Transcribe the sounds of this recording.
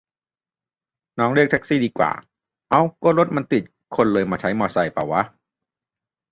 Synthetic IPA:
nɔː˦˥ŋli˦˥˩k̚t̪ʰɛ˦˥k̚siː˥˩diː˧kwa̰ː˨˩ | ʔa˧wkɔː˥˩ɾo˦˥t̪̚ma˧nt̪i˨˩t̪̚ | kʰo˧nlɤː˧jmaː˧t͡ɕʰa˦˥jmɔː˧˩sa˧˩jpa̰˨˩wːa˦˥

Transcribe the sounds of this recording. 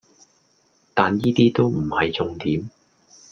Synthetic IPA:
t̪aː˨njiː˥t̪iː˥t̪o˥wm̩˨˩hɐ˨jt͡sʊ˧ŋt̪iː˨˥m

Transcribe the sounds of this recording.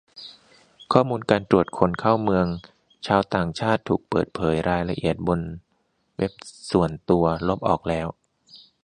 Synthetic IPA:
kʰɔː˥˩muː˧nkaː˧nt̪ɾu˨˩ət̪̚kʰo˧nkʰaː˥˩wmɯ˧əŋ | t͡ɕʰaː˧wt̪aː˨˩ŋt͡ɕʰaː˥˩t̪ʰːuː˨˩k̚pɤː˨˩t̪̚pʰɤː˩˦jɾaː˧jla˧ʔḭ˨˩ət̪̚bo˧n | we˦˥p̚su˨˩ənt̪u˧ɐlo˦˥p̚ʔɔ̰ː˨˩k̚lɛː˦˥w

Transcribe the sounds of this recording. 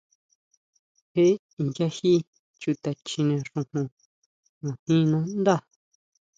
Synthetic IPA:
he˦ | i˨d͡ʒa˦hi˦ | t͡ʃu˧t̪a˧t͡ʃĩ˧nẽ˧ʐũ˧hũ˧ | nũ˨hĩ˦˧nũ˦nd̪a˦˨

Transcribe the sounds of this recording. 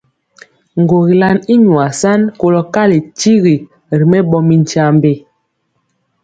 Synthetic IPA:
ŋ˨ɡo˨ɣi˨la˦ni˦ɲwa˨sa˦nko˦lɔ˦ka˦le˨t͡ʃi˦ɣi˨ | ɾi˨mɛ˦bɔ˦mi˦n˦t͡ʃa˦mbe˦˨

